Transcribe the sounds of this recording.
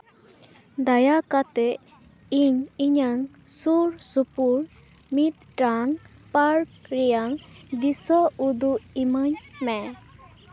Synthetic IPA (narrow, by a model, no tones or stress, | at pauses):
d̪ajakat̪ɛ | iɲiɲaŋsuɾsupuɾ | mit̪̚ʈaŋpaɾk̚ɾijaŋd̪isɔud̪uimaɲmɛ